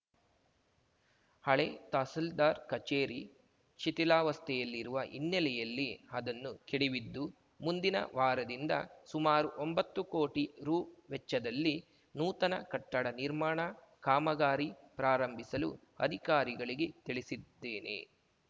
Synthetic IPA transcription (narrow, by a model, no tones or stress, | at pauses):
hɐɭet̪aːsɐld̪aːɾkɐt͡ʃeːɾi | t͡ʃit̪ilaːʋɐst̪ʰɛjɐlːiɾuʋɐʔinːɛlɛjɐlːiɐd̪ɐnːukɛɽiʋid̪ːu | mund̪inɐ̰ʋaːɾɐd̪ind̪ɐ̰sumaːɾuʔombɐt̪ːukoːʈiɾuːʋɛt͡ʃːɐd̪ɐlːi | nuːt̪ɐnɐkɐʈːɐɽɐniɾmaːɳɐ | kaːmɐɡaːɾipɾaːɾɐmbʱisɐlṵ | ɐ̰d̪ʱikaːɾiɡɐɭiɡe̞t̪iɭisid̪ːeːne̞̰